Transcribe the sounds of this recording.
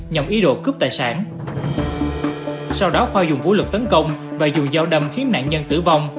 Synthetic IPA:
ɲə˨˩mʔi˨˦ɗo̰˧˨kɨ˦˥p̚t̪aː˧˨jsaː˧˩n | sa˧wɗɔ˨˦xwaː˧zʊ˨˩ŋ͡mvṵ˧˥lɨ˨˩k̚t̪ə˨˦nkə˧wŋ͡mvaː˨˩zʊ˨˩ŋ͡mzaː˧wɗə˧mxi˨˦əna̰ː˧˨nɲə˧nt̪ɨ̰˧˩va˧wŋ͡m

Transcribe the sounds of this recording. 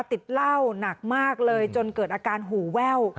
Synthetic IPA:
t̪i˨˩t̪̚la˥˩wna˨˩k̚maː˥˩k̚lɤː˧jt͡ɕo˧nkɤː˨˩t̪̚ʔaː˧kaː˧nɦuː˨˩˦wɛ˥˩w

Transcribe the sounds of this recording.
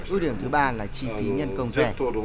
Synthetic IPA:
u˧˦ɗi˧˩əmt̪ʰɨ˨˦ɓaː˧laː˨˩t͡ɕi˧˩fi˨˦ɲə˧nkə˧wŋ͡mzɛ˦˧˥

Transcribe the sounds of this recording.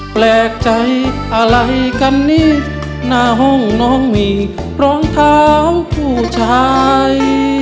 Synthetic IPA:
plɛː˧˩k̚t͡ɕa˧˩jʔa˧ɾa˧jka˧˥nːiː˥˩˨ | naː˧˩ɦo˧˥˩ŋnɔː˧˥ŋmiː˧˩ | ɾɔː˧˥ŋt̪ʰaː˧˥wpʰuː˧˩t͡ɕʰaː˧˦j

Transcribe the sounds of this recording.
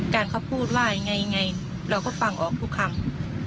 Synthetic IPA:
kaː˨˩nkʰa˧˥˩wpʰuː˥˩t̪̚waː˥˩˧ŋa˧jŋa˧j | ɾa˧˩wkɔː˥˩fa˧˩ŋʔɔː˨˩k̚t̪ʰu˦˥˩kʰːa˧˩ŋ

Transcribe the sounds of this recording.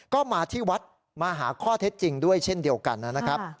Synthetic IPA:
kɔː˥˩maː˧t̪ʰiː˥˩wa˦˥t̪̚ | maː˧ɦaː˩˦kʰɔː˥˩t̪ʰe˦˥t̪̚t͡ɕi˧ŋdu˥˩əjt͡ɕʰe˥˩ndi˧əwka̰˧nːa˦˥na˦˥kʰɾa˦˥p̚

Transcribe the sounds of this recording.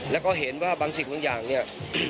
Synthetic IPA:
lɛː˦˥wkɔː˥˩ɦe˩˦nwaː˥˩baː˧ŋsi˨˩k̚baː˧˦jaː˨˩ŋni˥˩ɐ

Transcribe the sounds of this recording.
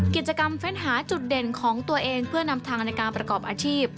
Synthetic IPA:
ki˨˩t̪̚t͡ɕa˧ka˧mfe˦˥nɦaː˩˦t͡ɕu˨˩t̪̚de˨˩nkʰɔː˩˦ŋt̪u˧ɐʔeː˧ŋpʰɯ˥˩ɐna˧mt̪ʰaː˧ŋna˧jkaː˧npɾa˧kɔː˨˩p̚ʔaː˧t͡ɕʰiː˥˩p̚

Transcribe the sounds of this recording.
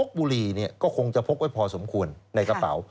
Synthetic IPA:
o˦˥k̚buː˧ɾiː˧ni˥˩ɐkɔː˥˩kʰo˧ŋt͡ɕa˨˩pʰo˦˥p̚wa˥˩pʰɔː˧so˩˦mkʰu˧ənːa˧jka˧pa̰˩˦w

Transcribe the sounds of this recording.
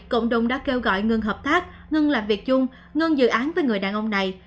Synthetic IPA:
ko̰˧˨wŋ͡mɗʊ˨˧˩wŋ͡mɗa̰ː˧˥ke˧wɣɔ̰˧˨jŋɨ˧ŋɦəː˨˩p̚t̪aː˦˥k̚ | ŋɨ˧nŋlaː˨˩mvi˨˩ək̚zʊ˧ŋ͡m | ŋə˧nŋzɨ̰˧˨ʔaː˨˦nvəː˨˦jŋɨ˨˩əjɗaː˨˩nʔə˧wŋ͡mna˨˩j

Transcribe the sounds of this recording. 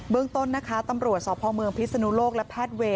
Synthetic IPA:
bɯ˧əŋt̪o˥˩nːa˦˥kʰaː˦˥t̪a˧mɾu˨˩ət̪̚sɔː˨˩pʰɔː˧mɯ˧əŋpʰi˦˥t̪̚sa˧nu˦˥loː˥˩k̚lɛ˦˥pʰɛː˥˩t̪̚weː˧

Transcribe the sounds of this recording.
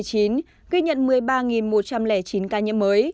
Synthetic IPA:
jt͡ɕi˨˦n | ɣi˧ɲə̰˧˨nmɨ˨˩əjɓaː˧ŋi˨˩nmo˨˩t̚t͡ɕa˧mlɛ˧˩t͡ɕi˨˦nkaː˧ɲə̰˧˥məː˨˦j

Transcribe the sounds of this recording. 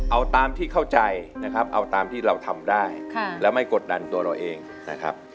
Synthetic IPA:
ʔa˧wt̪aː˧mt̪ʰiː˥˩kʰa˥˩wt͡ɕa˧jna˦˥kʰɾa˦˥p̚ʔa˧wt̪aː˧mt̪ʰiː˥˩ɾa˧wt̪ʰa˧mdaː˥˩jkʰa˧˩lɛː˦˥wma˥˩jko˨˩t̪̚da˧nt̪u˧ɐɾa˧wʔeː˧ŋ | na˦˥kʰɾa̰˦˥p̚

